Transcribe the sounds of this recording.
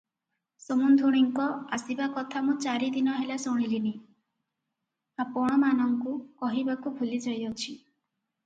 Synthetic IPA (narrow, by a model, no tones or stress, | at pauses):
somund̪ʱuɽ̃iŋkɔasibakɔt̪ʰamũt͡ʃaɾid̪inɔɦelasɔɽ̃ilini | ɦãpɔɽ̃ɔmanɔŋkukɔɦibakubʱulid͡ʒɔjɔt͡ʃʰi